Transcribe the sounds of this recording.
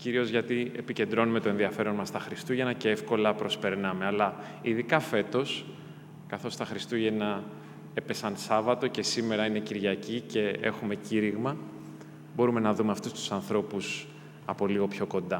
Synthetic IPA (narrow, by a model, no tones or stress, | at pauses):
ciɾio̞zʝɐt̪ie̞̰pice̞nd̪ɾo̞nume̞t̪o̞e̞nðiɐfe̞ɾo̞nmɐst̪ɐxɾist̪uʝenɐce̞e̞fko̞lɐpɾo̞spe̞ɾnɐme̞ɐlɐ | iðikɐfe̞t̪o̞s | kɐθo̞st̪ɐxɾist̪uʝenɐ | epe̞sɐnsɐvɐt̪o̞ce̞sime̞ɾɐine̞ciɾʝɐcice̞e̞̰xume̞ciɾiɣmɐ | bo̞ɾume̞nɐðume̞ɐft̪ust̪u̥sɐnθɾo̞pus | ɐpo̞liɣo̞pço̞ko̞nd̪ɐ